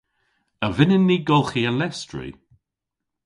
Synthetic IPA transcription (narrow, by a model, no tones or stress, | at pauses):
əvɪnənːiɡɔlˠxiəlɛstɹḭ